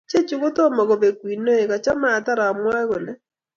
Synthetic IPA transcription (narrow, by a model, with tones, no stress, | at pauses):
t͡ʃe˦t͡ʃu˨ɣo˦to˦mɔ˨ɣo˨be˨kwi˨no˦e˨ka˨t͡ʃa˦maː˦˨ta˦ɾa˨mwa˦ɣo˨ne˦